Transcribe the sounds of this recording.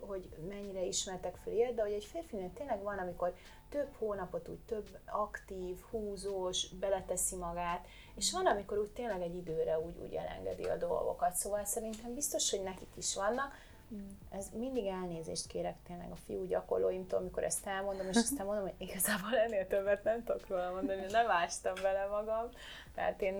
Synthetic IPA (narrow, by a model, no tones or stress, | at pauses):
ho̞ɟmɛɲːiɾɛiʃmɛrt̪ɛkfølejɛt̪d̪ɛho̞ɟɛɟfeːrfinɛnt̪eːnlɛɡvɒnɒmiko̞r | t̪ø̞bhoːnɒpo̞t̪ṵːɟt̪øbːɒkt̪iːvhuːzoːʃbɛlɛt̪ɛsimɒɡaːt̪ | eːʃʋɒnɒmiko̞ɾuːɟt̪eːnlɛɡɛɟːid̪øːɾɛuːɟṵːɟɛ̰lɛ̰ŋɡɛ̰d̪ḭɒ̰d̪o̞̰lɡo̰kɒt̪soːvɒlsɛɾint̪ɛmbist̪o̞ʃho̞ɟnɛkikiʃʋɒnːɒk | ɛzmind̪iɡɛlneːzḛːʃt̪keːɾɛkt̪eːnlɛ̰ɡɒfḭjuːɟɒko̞̰rloːjimt̪o̰ːlmiko̞̰ɾʔɛ̰st̪ɛlmo̞nd̪o̞meːʃɒst̪aːmo̞nd̪omhoɟiɡɒzaːboːlɛnːeːlt̪øbːɛt̪nɛmt̪ookroːlɒmo̞nd̪ɒninɛmaːʃt̪ɒmbɛlɛmɒɡɒm | t̪ɛ̰ːt̪eːn